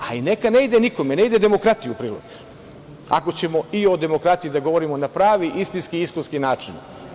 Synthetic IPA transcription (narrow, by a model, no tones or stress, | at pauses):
aine̞kane̞id̪eniko̞mene̞id̪e̞d̪e̞mo̞kɾat̪ijuupɾiːlˠo̰ɡ | a̰ko̞t͡ɕe̞mo̞io̞d̪e̞mo̞kɾat̪ijid̪aɡo̞ʋo̞ɾimo̞napɾaːʋiʔist̪inskiiskonskinaːt͡ʃin